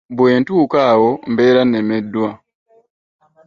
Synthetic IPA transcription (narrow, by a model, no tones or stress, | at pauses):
bweːntuːkawombeɾanemedwa